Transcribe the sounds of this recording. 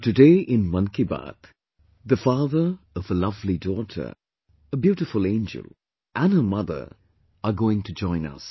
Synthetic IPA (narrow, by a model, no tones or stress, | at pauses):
tɨdeɪʔɪ̃nmʌ̃nkiba̰t̪ | ðəfɑːðə˞ | ʌvəlʌvlidɔtʰə̰˞ | əbjuːʈɨfʊlˠẽɪ̃nd͡ʒə̰lˠ | ʔæ̃nhəmʌðə̰˞ | əɡoːɪ̃ŋtʰud͡ʒɔ̃ɪ̃nʌ̰s